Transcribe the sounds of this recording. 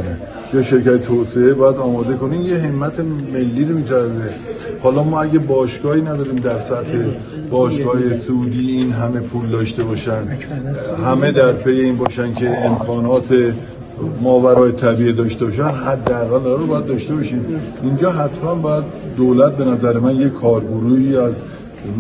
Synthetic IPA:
e | jeʃe̞ɾcʰæt̪et̪ʰose̞ebɒːjæd̪ɒːmɒːd̪e̞ko̞niːmjeɦe̞mːæt̪ʰe̞me̞lːiːɾomiːt̪ʰææze | hɒːlɒːmɒːæɟæbɒːʃɡɒːhiːnæd̪ɒːɾiːmd̪æɾsæt̪he̞ | b̥ɒːʃɡɒːjesuud̪iːinɦæme̞pʰuːld̪ɒːʃt̪e̞bɒːʃænd̪ɦæme̞d̪æɾpʰe̞je̞iːnbɒːʃænd̪cʰeːmkʰɒːnɒːt̪ʰe | mɒːvæɾɒːjet̪ʰæbiːed̪ɒːʃt̪e̞bɒːʃænɦæd̪ːææɣælɒæbɒːjæd̪̚d̪ɒːʃt̪e̞bɒːʃiːmind͡ʒɒːɦæt̪ʰmænbɒːjæd̪̚ːolæt̪̚be̞næzæɾemænje̞kʰɒːɾɡoɾuːiːæz

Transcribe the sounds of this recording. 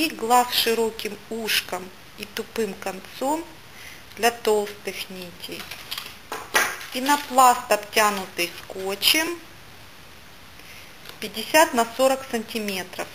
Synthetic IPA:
iɡlˠasʂɨɾokʲɪmuʂkəm | it̪ʊpɨmkɐnt̪som | d̪lʲɐt̪olˠst̪ɨxnʲitʲɪj | inɐplˠast̪ɐptʲanʊt̪ɨjskot͡ɕɪm | pʲɪdʲɪsʲat̪nɐsoɾəksənʲtʲɪmʲe̞t̪ɾəf

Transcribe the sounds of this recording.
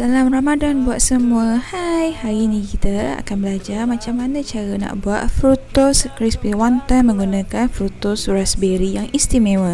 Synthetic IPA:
dalamramadanbuaʔ̪̚səmuəhajhainĩkit̪əa̰kanbəlad͡ʒarmãt͡ʃamanə̃t͡ʃaɾəna̰ʔbuat̪̚fɾut̪ʊskɾispiwant̪amə̃ŋɡunãkanfɾut̪ʊsɾasbeɾijaŋist̪imẽwə

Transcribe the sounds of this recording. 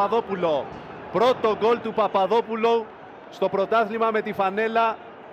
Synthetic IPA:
ɐðo̞pulo̞ | pɾo̞t̪oɡo̞lt̪upɐpɐðo̞pulo | st̪o̞pɾo̞t̪ɐθlimɐme̞t̪ifɐne̞lɐ

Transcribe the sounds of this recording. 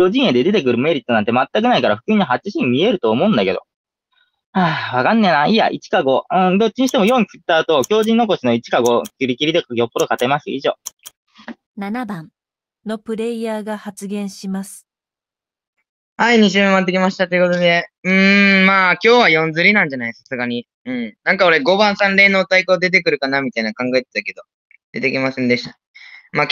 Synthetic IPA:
ɾo̞ʑĩɰ̃ed̪e̞d̪e̞t̪e̞kɯ̟ɾɯ̟me̞ɾʲit̪ːonãnt̪emat̪ːak̬ɯnaikaɾaɸɯ̟̥kɯ̟iɲ̟ːaɦat͡ɕ̚t͡ɕːiɕimʲie̞ɾɯ̟t̪oːmo̞ɯ̟̃nd̪ake̞d̪o̞̰ | aːβakanːenaia̰ʔit͡ɕi̥kaɡo̞ɯ̟̃d̪o̞t͡ɕːiɲiɕit̪eojo̞ːɲ̟ikɯt̪ːaːt̪o̞kʲo̞ːʑĩnːo̞ko̞ɕino̞it͡ɕi̥kaɡo̞kʲiɾʲikʲiɾʲid̪e̞kɡʲjo̞pːod̪o̞kat̪e̞masɨḭʑo̞̰ː | nanabãn | no̞pɯ̟ɾe̞ijaːɡahat͡sɨɡẽ̞ɰ̃ɕimasɨ̥ | haiɲ̟iɕ̬ɨːɯ̃mat̪ːekʲimaɕi̥t̪at̪oiɯ̟ko̞t̪od̪e̞ɯ̟̃maːkʲo̞ːβajõ̞nd͡zɨɾʲinãɲ̟d͡ʑanaisasɨɡaɲ̟i | ɯ̟̃ɴnãŋkaoɾe̞ɡo̞bãɰ̃sãnɾe̞ːnoːt̪aikoːd̪e̞t̪̬e̞kɯ̟ɾɯ̟kanamʲit̪ainakãŋɡae̞t̪e̥t̪ake̞d̪o̞ | d̪̥e̞t̪e̞kʲimasẽ̞nd̪e̞ɕi̥t̪ḁ | maː

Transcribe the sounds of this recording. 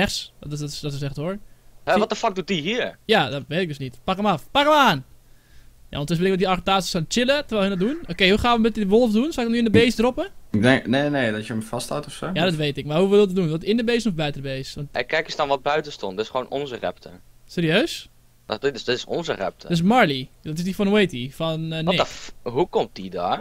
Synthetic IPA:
ɛxstsdɔtəsɛxtoəɹhɛʋɔt̚dəfak̚dut̚diɦiəɹjadɔtʋetɪɡdøsnitpakəmafpakəməaːn | ja̰ɔntɪsʋɪlɪkʋɔtdiarətaːsisant͡ʃɪlˠətərʋɛːɦɛndɔt̚dunokeːɦuxaːnʋəmbɪtədəʋolˠfdunsaɪɡdɔnyɪndəbeːsdropəɪɡ̚dɛŋkneneːdɔtjəmfastha̰wtɔfsoːjadɔtʋeːtɪk̚marɦuʋɪlˠədɔdunʋɔtɪndəbeːsnɔfbœɥtədəbeːsʋɔntɛkɛkəsdɔnʋɔt̚bœɥtəstɔntdtɪsχʋoːnʔɔ̰nzərɛ̰ptəseːɾiøːs | na̰dɪtsdɪtɪsɔ̰nzərɛ̰p̚tʰə̥dsmaɹlidɔtɪsdifɔnwejtifɔneɦukɔmt̚dida̰

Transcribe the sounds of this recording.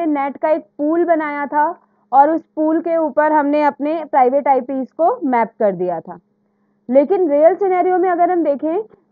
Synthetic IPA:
enɛːʈkaeːk̚puːlbɐnaːjat̪ʰa | ɔːɾʊspuːlkeuːpəɾɦɐmneɐpnepɾaːɪʋeːʈaːɪpiːzkomɛːp̚kɐɾd̪ijat̪ʰa̰ː | leːkɪnɾeːəlseːnaːɾijõmẽɐɡəɾɦɐmd̪eːkʰẽ

